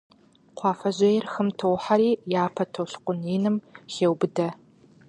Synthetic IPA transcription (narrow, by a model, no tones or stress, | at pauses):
qʷʰɑːfɐʑɐjɛrxɨmtʰowħaɾiːjaːpʰɐtʰowɬqʷʊniːnɨmxeːwbɨdɐ